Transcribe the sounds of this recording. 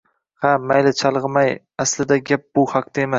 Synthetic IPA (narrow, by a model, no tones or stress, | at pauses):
hamajlɪt͡ʃʰɑlˠʁɨmaj | aslɪd̪aɡʲap̚b̥ʊhaq̚t̪ʰaemas